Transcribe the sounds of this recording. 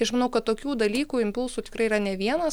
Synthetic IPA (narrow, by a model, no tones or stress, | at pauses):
ɪɐʃmɐnɐʊkɐt̪t̪oːkʲuːd̪ɐlʲiːkuːɪmʲpʊlˠsuːt̪ʲɪ̥kɾɐɪiɾɐnʲɛʋʲiɛnɐs